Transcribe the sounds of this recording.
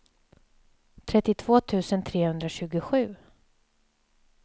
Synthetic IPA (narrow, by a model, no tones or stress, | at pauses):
t̪ʰɾɛt̪ːɪt̪ʰv̥oːt̪ʰʉ̟ːsənt̪ʰɾeːhɵnd̪ɾaɕʉ̟ːɡʊɧʉ̟ː